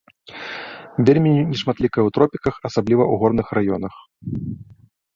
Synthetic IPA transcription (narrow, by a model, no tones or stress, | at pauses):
vʲelʲmʲinʲɛʂmat̪lʲikɐjɛwt̪ɾɔpʲikɐxɐsablʲivɐuɣɔrnɨxrajɔnɐx